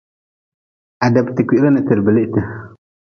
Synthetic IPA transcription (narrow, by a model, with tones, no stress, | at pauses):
a˨da˨bti˨ki˦ʔɾa˦na˨tɨ˨ɾbə˨lɪ˦ʔtɨ˨